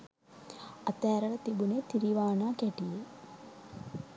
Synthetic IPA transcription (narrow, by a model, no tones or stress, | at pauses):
ɐt̪ɛːɾɐlɐt̪ibuneːt̪iɾiʋaːnaːkɛʈije